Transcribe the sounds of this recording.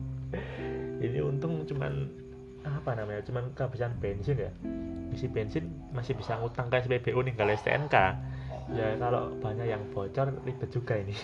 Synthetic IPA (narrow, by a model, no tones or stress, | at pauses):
inḭunt̪ʊŋt͡ʃuma̰n | apanamaɲat͡ʃumankabisanb̥ensɪnjabisib̥ensɪn | masɪhb̥isaŋut̪aŋkajs̬əpeb̥eʔuniŋɡalɛst̪ḛʔɛ̰nkajakalo̰b̥a̤ɲaʔjaŋb̥ɔ̤t͡ʃɔrlib̥ət̪̚d͡ʒ̥uɡ̥a̤inɪ